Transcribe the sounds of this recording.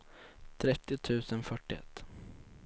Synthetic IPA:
t̪ʰɾɛt̪ːɪt̪ʰʉ̟ːsənfœʈːɪɛ̰t̪ː

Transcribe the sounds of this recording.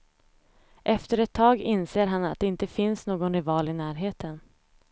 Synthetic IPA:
ʔɛft̪əɾɛt̪ʰːɑːɡɪnseːɾɦanat̪̚d̪ɛɪnt̪əfɪnsnoːɡɔnɾɛvɑːlɪnæːɾɦeːt̪ʰən

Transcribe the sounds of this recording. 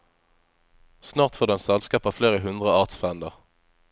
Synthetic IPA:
snɑːʁt̪foːʁd̪ɛnsɛlskɑːpɑːfleːʁəɦʉnd̪ʁəɑːʁt̪sfʁɛnd̪əʁ

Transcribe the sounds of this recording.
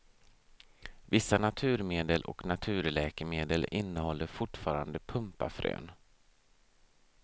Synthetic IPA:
vɪsːanat̪ʰʉ̟ːɾmeːd̪əlʔɔ̰knat̪ʰʉ̟ːɾlɛːkəmeːd̪əlɪnːəhɔlːəɾfʊʈfɑːɾa̰nd̪əpʰɵmpa̰fɾø̰ːn

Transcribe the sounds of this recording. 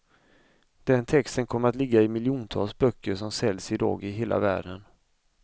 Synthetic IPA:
d̪̥ɛnt̪ʰɛkst̪ənkʰɔmːəɾat̪lɪɡːaɪmɪlːjuːnt̪ʰɑ̰ːlsbœkːəʂɔmsɛlsɪd̪ɑ̰ːɡɪɦeːlʔa̰væ̰ːɖən

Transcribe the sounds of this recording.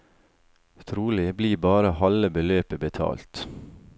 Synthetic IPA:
t̪ʰɾuːlɪbliːbɑːɾəhɑləbəløːpəbət̪ʰɑ̰ːlt̪

